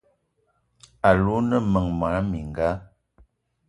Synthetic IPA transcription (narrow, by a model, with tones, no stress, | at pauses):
a˨lu˦nə˦˨mə˨ŋma˨˦mi˨ŋ˨ɡa˦